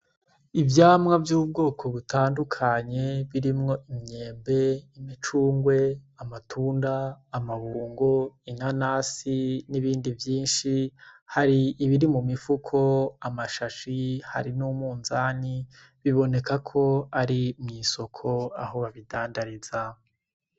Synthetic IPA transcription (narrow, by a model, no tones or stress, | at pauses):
ivjaːmŋavjuːb̚ɡo̞ːkʰo̞βutʰaːndukʰaɲe̞βiɾimŋo̞ʔimɲe̞ːmbe̞imit͡ʃuːŋɡwe̞amatʰuːndaːmaβuːŋɡoinanaːsiniβiːndivjiːnʃihaɾiːβiɾimumifukʰo̞amaʃaʃiha̰ɾinumuːnzani | βiβo̞ne̞kakʰo̞aɾimŋiːso̞kʰo̞a̰ɦo̞βaβidaːndaɾiza